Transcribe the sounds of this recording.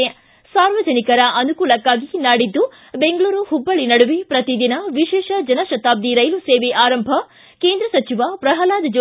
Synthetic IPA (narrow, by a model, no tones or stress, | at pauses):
saːɾʋɐd͡ʒɐnikɐɾɐʔɐnukuːlɐkːaːɡinaːɽid̪ːu | beŋɡɭuːɾuhubːɐɭinɐɽuʋipɾɐt̪id̪inɐʋiʃɛːʃɐd͡ʒɐnɐʃɐt̪aːb̚d̪iɾɐjluseːʋeʔaːɾɐmbʱɐ | keːnd̪ɾɐsɐt͡ʃiʋɐpɾɐɦɐlaːd̪ɐd͡ʒo